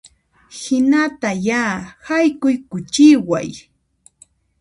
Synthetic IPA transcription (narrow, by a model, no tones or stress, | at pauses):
hɪnat̪ajaːhajkʊjkʊt͡ʃɪwa̰j